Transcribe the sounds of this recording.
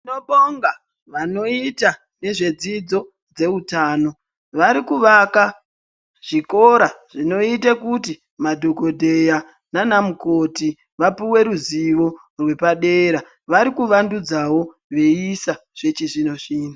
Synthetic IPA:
inoɓoŋɡa | ʋano̞ita | ne̞ʐe̞d͡zid͡zo̞ | d͡ze̞utaːno̞ | ʋaɾikuʋaka | ʐ̥iko̞ɾaʐ̥ino̞itakuti | madʱoɡʱo̞dʱe̞ja | nanamukoti | ʋapiwe̞ɾuziʋo̞ | rwe̞paɗe̞ɾa | ʋaɾikuʋandud͡zawo̞ | ʋe̞isaʐ̥e̞t͡ʃiʐino̞ʂiːna

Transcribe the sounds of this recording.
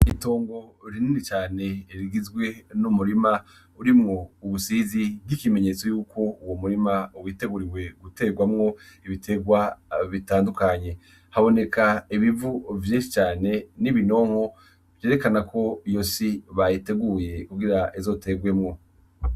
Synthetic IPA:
ito̞ːŋɡo̞ɾininit͡ʃaːne̞iɾiɡizɡwe̞numuɾima | uɾimŋo̞uβusizibɡikime̞ɲe̞t͡so̞juːko̞uwomuɾimauwiːte̞ɡuɾiwe̞ɡute̞ːɡwamŋo̞iβitʰe̞ɡwaβitaːndukaɲe̞ | haβo̞ne̞kʰaiβivuvjeːnʃit͡ʃaːne̞niβino̞ːŋ̥ho̞ | β̥je̞ːɾe̞kanakʰo̞ijosiβajite̞ɡuːje̞kuɡiɾaʔezo̞te̞ɡwe̞mŋo̞

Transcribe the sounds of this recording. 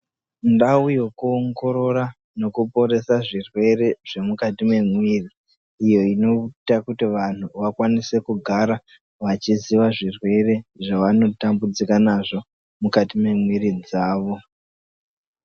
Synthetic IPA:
ndaujo̞kuoŋɡo̞ɾo̞ɾa | no̞kupo̞ɾe̞saʐirwe̞ɾe̞ʐe̞mukatime̞mwiːriː | jo̞ino̞takutiʋan̤uʋakwanise̞kuɡʱaɾa | ʋat͡ʃiziʋaʐirwe̞re̞ʐaʋano̞tambud͡zikanaʐo̞ | mukatime̞mwirid͡zaːʋo̞

